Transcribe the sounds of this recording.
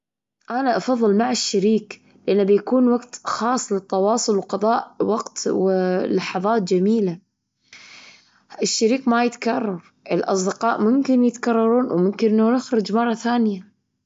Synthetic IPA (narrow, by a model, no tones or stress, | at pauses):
ʔanaʔɑfɑðˤːɨlmaʕɪʃːaɾiːk | lɪʔanːbjakuːnwaɡt̪xɑːsˤːlɪt̪ːɑwɑːsˤʊlwqɑðˤɑːʔwaɡt̪wɪlɑħɑðˤɑːt̪̚d͡ʒamiːla | ɪʃːaɾiːkmajɪt̪kɑrˤːɑɾˤʔɪlʔɑ̰sˤd̪ɪqɑːʔmʊmkɪnjɪt̪kɑrˤːɑɾˤuːnwmʊmkɪnʔɪnːanɪxɾɪd͡ʒmɑrˤːɑθaːnɪja